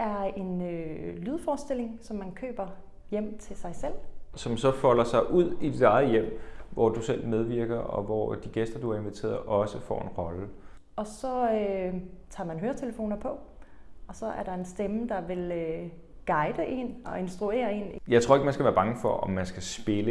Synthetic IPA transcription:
ʔæɐe̝nølyːð̞ˠfɒːsd̥e̝l̰e̝ŋsɒ̽mːænkʰø̰ːb̥ɐ | jem̰t͡sʰe̝lsɑ̈ɪsel̰sɒ̽msɒ̽fɒl̰ɐsɑ̈ɪʔuð̞̰ˠid̥id̥ɑ̈ɪð̩ˠjem̰ʋɒd̥usel̰með̞ˠʋiɐɡ̥ɐɒ̽ʋɒd̥iɡ̥esd̥ɐd̥uæɐe̝nʋit͡sʰḛːɐðˠʔɒ̽səfɒ̰ːe̝nʁɒ̽lə | ɒ̽sɒ̽øt͡sʰɑ̰̈ːmænɦøːɐt͡sʰeləfo̝̰ːnɐpʰɒ̽ɒ̽sɒ̽ʔæɐɾ̥ɑ̈e̝nsd̥eməd̥ɑ̈ʋe̝lø | ɡ̥ɑ̈ɪd̥əʔe̝̰ːnɒ̽e̝nsd̥ʁue̝̰ːɐe̝̰ːnjɑ̈ɪt͡sʰʁo̝ɐeɡəmænsɡ̥æʋæːɐb̥ɑ̈ŋəfɒ̽ʔɒ̽mːænsɡ̥æsb̥e̝lə

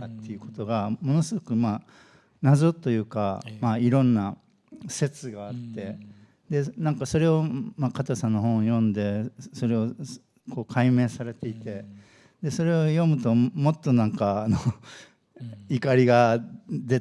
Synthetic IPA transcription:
at̪ːe̞jɯ̟ko̞t̪o̞ɡamo̞no̞sɨɡo̞kɯ̟ma | nazot̪ːo̞jɯ̟ːka̰maiɾõ̞nːa | se̞t͡sɨɡaːt̪ːe̞ | d̪e̞nãŋkaso̞ɾe̞o̞makat̪osãnːo̞ɦõ̞jõ̞nd̪e̞so̞ɾe̞o̞ | ko̞ːkʰaimẽ̞ːsaɾe̞t̪e̞it̪e̞ | d̪e̞so̞ɾe̞ojo̞mɯ̟t̪o̞mo̞t̪ːo̞nãŋkaːno | ikaɾʲiɡad̪e̞

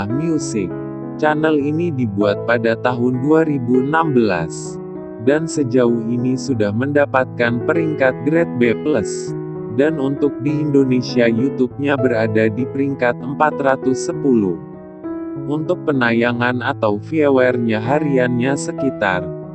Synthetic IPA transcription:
ahmiusɪk̚ | t͡ʃanəlinidibuat̪̚padat̪aɦʊnduaɾibuənambəla̰s | dansəd͡ʒauhinisudahməndapat̪̚kanpəɾiŋkat̪̚ɡɾɛt̪̚bɛpləs | danunt̪ʊk̚diːndonesiajut̪up̚ɲabəɾadadipəɾiŋkat̪əmpat̪ɾat̪usːəpulʊh | ʔunt̪ʊk̚pənajaŋanat̪awfiawɛrɲaɦaɾianɲasəkit̪a̰r

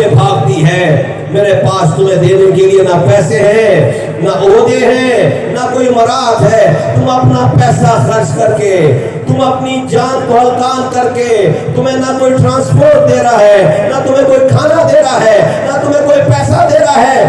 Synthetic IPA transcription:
ebʱaːbt̪iɦɛː | meːɾepaːst̪ʊmẽd̪eːnekelienɐpɛːseɦɛ̃ | naʔoːd̪eɦɛ̃nakoːimɐɾaːd̪ɦɛːt̪ʊmɐpnapɛːsaxɐɾt͡ʃkɐɾke | t̪ʊmɐpnid͡ʒãːnkoɦəlkaːnkɐɾket̪ʊm̤ɦẽnɐkoːiʈɾãːnspoːɾʈ̚d̪eːɾaɦɛːnat̪ʊmɦẽkoːikʰaːnad̪eːɾaɦɛːnɐt̪ʊmẽkoːipɛːsad̪eːɾaɦɛː

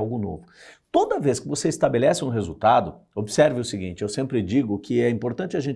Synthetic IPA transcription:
awɡʊno̰vʊ | t̪od̪ɐveskɪvoseist̪abelɛsɪũɦezṵt̪ad̪ʊ | obɪsɛɾvɪʊsɪɡĩnt͡ʃɪewsẽmpɾɪd͡ʒiɡʊkʰɪɛĩmpoɾt̪ɐ̃nt͡ʃɪɐʒẽn

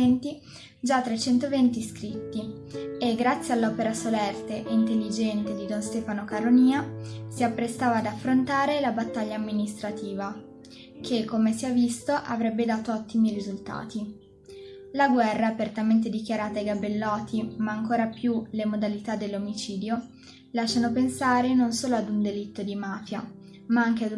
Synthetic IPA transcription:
ɛnt̪i | d͡ʒat̪ːɾat͡ʃɛnt̪ovɛnt̪iskɾit̪ːi | eɡːɾat̪sːjealːɔpeɾasolɛrt̪eʔint̪elːid͡ʒɛnt̪ed̪id̪onst̪ɛːfanokaɾoniːasiapːɾest̪aːvaːd̪afːɾont̪aːɾelabat̪ːaʎːaːmːinist̪ɾat̪iːva | kʰekːomesiɛvːist̪oʔavɾɛbːed̪aːt̪oɔt̪ːimiɾizult̪a̰ːt̪i | laɡwɛrːaːpert̪ament̪̬ed̪ik̟jaɾaːt̪ajɡabelːɔːt̪ʰimaːŋkoːɾapjulemod̪alit̪ad̪ːelːomit͡ʃiːd̪jo | laʃːanopensaːɾenonsoːload̪und̪elit̪ːod̪imaːfja | maaŋk̟ea

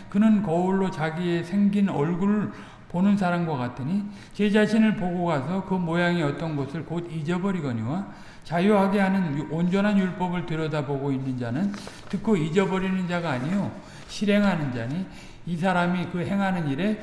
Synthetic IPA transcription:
kɯnɯnkʌuɭːot͡ɕaɡie̞sʰe̞ŋɡinʌɭɡuɾ | ponɯnsʰaɾamɡwak͈atʰɯɲi | t͡ɕe̞d͡ʑaɕʰinɯɭpoɡoɡasʰʌkɯmojaŋiʌt͈ʌnɡʌsʰɯɭkodid͡ʑʌbʌɾiɡʌɲiwa | t͡ɕajuɦaɡeɦanɯnond͡ʑʌnɦanjuɭp͈ʌbɯɭtɯɾʌdaboɡoinːɯnd͡ʑanɯntɯkʰoid͡ʑʌbʌɾinɯnd͡ʑaɡaːɲijo | ɕʰiɾe̞ŋɦanɯnd͡ʑaɲiː | sʰaɾamikɯɦe̞ŋɦanɯniɾe̞

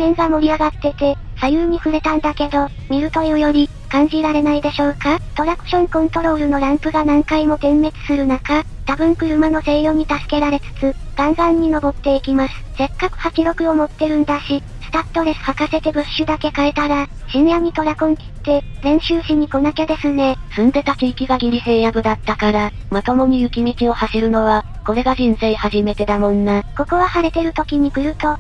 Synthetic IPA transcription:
mẽ̞ŋɡamo̞ɾʲiaɡat̪ːe̞t̪e̞ | sajɯːɲ̟iɸɯ̟ɾe̞t̪ãnd̪ake̞d̪o̞ | mʲiɾɯ̟t̪o̞jojo̞ɾʲi | kãɲ̟d͡ʑiɾaɾe̞naid̪e̞ɕo̞ːkat̪o̞ɾakɯ̟̥ɕõ̞ŋkõ̞nt̪o̞ɾo̞ːɾɯ̟no̞ɾãŋpɯ̟ɡanãŋkaimo̞t̪ẽ̞mːe̞t͡sɨ̥sɨɾɯ̟naka | t̪abɯ̟̃ŋkɯ̟ɾɯ̟manose̞jo̞ɲ̟it̪asɨ̥ke̞ɾaɾe̞t͡sɨ̥t͡sɨɡ̥ãŋɡãɲ̟ːino̞bo̞t̪ːe̞ikʲimasɨ̥se̞kːakɯ̟̥hakʲiɾo̞kɯ̟o̞mo̞t̪ːe̞ɾɯ̟̃nd̪aɕi | sɨ̥t̪at̪ːo̞ɾe̞sɨ̥hakase̞t̪e̞bɯ̟ɕːɨd̪ake̞kae̞t̪aɾa | ɕinjamʲit̪o̞ɾakõŋkʲi̥t̪ːe̞zẽ̞ɰ̃ɕɨːɕiɲ̟ːiko̞nake̞d̪e̞sɨne̞sɨ̃nd̪e̞t̪akʲiːkʲiɡaɡʲiɾʲise̞ːjaɡɯ̟d̪at̪ːakaɾa | mat̪o̞mo̞ɲ̟iɯ̟kʲimʲikʲio̞haɕiɾɯ̟no̞βa | ko̞ɾe̞ɡaʑĩnseihaʑime̞t̪e̞d̪amõ̞nːako̞ko̞βahaɾe̞t̪e̞ɾɯ̟t̪o̞kʲiɲ̟ikɯ̟ɾɯ̟t̪o̞

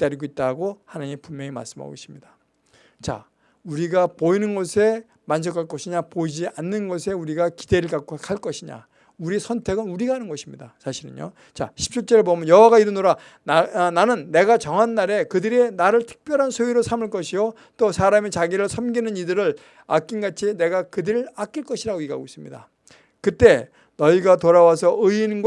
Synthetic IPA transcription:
it͈aɾiɡoit̚t͈aɡohanaɲimpunmjʌŋema̰ɭs͈ɯma̰o̰ɕʰi̥mɲida | t͡ɕa̰ | uɾiɡapoinɯnɡʌsʰe̞ | mand͡ʑʌkʰaɭk͈ʌɕʰiɲapoid͡ʑia̰nːɯnɡʌsʰe̞uɾiɡaki̥de̞ɾɯɭkak͈okʰaɭk͈ʌɕʰiɲa̰ | uɾisʰʌntʰe̞ɡɯnuɾiɡaɦanɯnɡʌɕʰimɲidasʰaɕʰiɾɯ̰nɲjo̰ | t͡ɕa̰ɕʰi̥p̚t͡ɕ͈ʰut͡ɕ͈ʌɾebʌmjʌnjʌwaɡaiɾɯnoɾa | nnanɯnːe̞ɡat͡ɕʌŋɦanːaɾe̞kɯdɯɾenaɾɯɭtʰɯ̥k̚p͈jʌɾɦansʰoiɾosʰamɯɭk͈ʌɕʰijo | t͈osʰaɾamet͡ɕaɡiɾɯɭsʰʌmɡinɯnidɯɾɯɭ | ak͈inɡat͡ɕʰine̞ɡakɯdɯɾɯɭak͈iɭk͈ʌɕʰiɾaɡoiɡa̰ɡois͈ɯmɲḭda̰ | kɯt͈e̞ | nʌiɡatoɾawas̬ʰʌɯinɡw

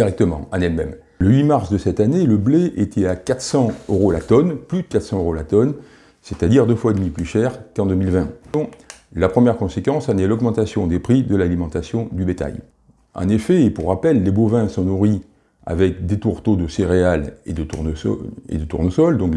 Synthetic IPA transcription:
iʁɛk̚t̪əmɑ̰̃ɑ̃nɛlmɛm | ləɥimaʁsd̪əsɛt̪aneləbleʔet̪ʰɛakat̪sɑ̃øʁola̰t̪ɔnplyd̪əkat̪χsɑ̃øʁolat̪ɔn | set̪ad̪iʁd̪əfwad̪miplyʃɛʁkɑ̃d̪əmilvɛ̃ | lapχəmjɛʁkɔ̃sekɑ̃sanɛlɔɡmɑ̃t̪asjɔ̃d̪epχid̪əlalimɑ̃t̪asjɔ̃d̪ybet̪a̰j | ɑ̰̃nefɛepuʁːapɛlːebovɛ̃sɔ̃nuʁi | a̰vɛk̚d̪et̪uʁt̪od̪əseʁealḛd̪əunḛd̪ət̪ṵʁnosɔld̪ɔ̃k

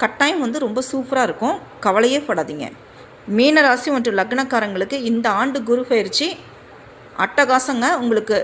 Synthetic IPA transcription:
kɐʈːaːjɪmʋɐnd̪ɯɾɔmbɐsuːpɾaːɪɾɯkːʊ̃ | kɐʋɐlɐjeːpɐːɽaːðiːŋɡɐ̰ | miːnɐɾaːsɪjmɐʈrɯ̃lɐɡɐɳɐkːaːɾɐŋɡɐɭɯkːɯɪnd̪ɐaːɳɖɯɡʊɾʊfɐjɪɾt͡ʃːi | ʔɐ̰ʈːɐɡaːsɐŋɡɐʊŋɡɐɭɯkːɯ

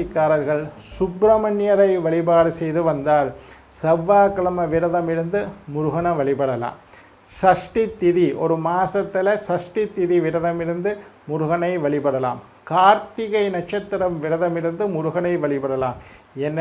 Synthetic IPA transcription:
ɪkːaːɾɐɾɣɐɭsʊbɾɐmɐnjɐɾɐɪʋɐɭɪbaːɽɯsɛjðɯʋɐnd̪aːl | sɐʋːaːkɐɭɐmɐʋɪɾɐðɐmɪɾɯnd̪ɯmʊɾʊɣɐnɐʋɐɭɪpɐɽɐla̰ːm | sɐʂʈit̪ːɪðiʔɔɾɯmaːsɐt̪ːɪlɐsɐʂʈit̪ːɪðiʋɪɾɐðɐmɪɾɯnd̪ɯmʊɾʊɣɐnɐɪʋɐɭɪpɐɽɐla̰ːm | kaːɾt̪ɪɣɐɪnɐt͡ʃɐt̪ːɪɾɐmʋɪɾɐðɐmɪɾɯnd̪ɯmʊɾʊɣɐnɐɪʋɐɭɪpɐɽɐlaːm | ɛnː

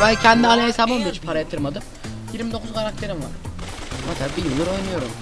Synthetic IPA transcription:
bæjcʰɛnd̪ianʲaesabond̪uit͡ʃʰi̥pʰaɾajat̪ʰɯɾmad̪ɯm | jiɾmid̪okʰuzkʰaɾak̚t̪ʰe̞ɾimva̰ɾmat̪ʰabbijɯlˠːɯɾo̞jnɯjo̞ɾum

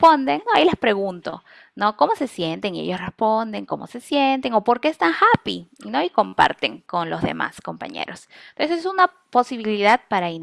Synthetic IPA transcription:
pond̪eŋnoailespɾe̞ɣunt̪o̞ | no̞ko̞mo̞se̞sje̞nt̪e̞ŋiḛjo̞srespo̞nd̪e̞ŋko̞mo̞̰se̞sje̞nt̪e̞ŋo̞po̞ɾke̞est̪aŋxapḭino̞iko̞mpa̰ɾt̪e̞ŋko̞nlo̞zðe̞̰ma̰sko̞mpa̰ɲḛɾo̞s | t̪onsessuna | po̞siβiliðað̚paɾain

